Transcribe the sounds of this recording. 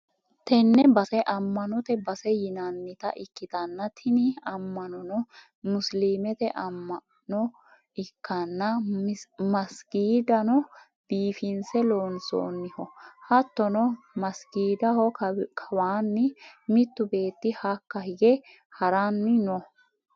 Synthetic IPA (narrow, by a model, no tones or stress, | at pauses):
t̪ɛnːɛbɐsɛʔɐmːɐnɔt̪ɛbɐsɛjɪnɐnːɪt̪ɐ̰ʔɪkːɪt̪ɐnːɐt̪ʰɪnɪɐmːɐnɔnɔ | mʊsliːmɛt̪ɛʔɐmːɐ | nɔ | ɪkːɐnːɐ | mɐsɡiːd̪ɐnɔ | b̥iːfɪnsɛloːnso̰ːnːɪhɔhɐt̪ːɔnɔ | mɐsɡiːd̪ɐhɔkʰɐwaːnːɪmɪt̪ːʊbe̞ːt̪ːɪhɐkːɐhɪɡɛ | hɐɾanːɪnɔ